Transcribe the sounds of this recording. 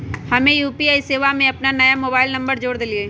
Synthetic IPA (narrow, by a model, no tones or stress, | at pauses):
hɐmẽjuːpiaːiseːʋamẽɐpnanɐjamoːbaːɪlnɐ̃mbəɾd͡ʒoːɽd̪ɪlieː